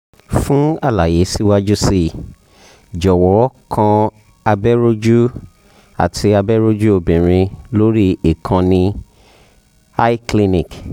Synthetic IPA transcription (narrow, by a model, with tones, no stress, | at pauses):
fũ˦a˦˨la˨je˨˦si˦wa˦d͡ʒu˦si˦ | d͡ʒɔ˨wɔ˨˦kʰã˧ | a˧bɛ˦ɾo˦d͡ʒu˦ | a̰˨tʰi˧a˧bɛ˦ɾo˦d͡ʒu˦o˧˨bĩ˨ɾ̃ĩ˧lo˦ɾi˦i˦˨kʰã˧nĩ˧ | a˦i˦kli˦nĩ˨k